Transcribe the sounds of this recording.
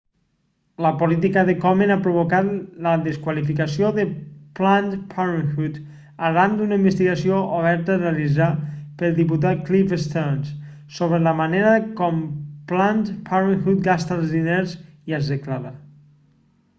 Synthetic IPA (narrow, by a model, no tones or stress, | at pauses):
ləpolit̪ikəðekɔmenapɾoβ̞okat̪ləðeskwalifikəsioðəplant̪pʰaɾiŋxut̪ | aɾand̪unəimbəst̪iɣasioʔoβ̞ɛɾt̪ərealizapəlˠd̪iput̪̬at̪̚klifest̪ɛɾns | soβɾeləmaneɾəkɔmplant̪pʰaɾiŋxut̪̚ɡast̪alˠzðineɾziəzðeklaɾa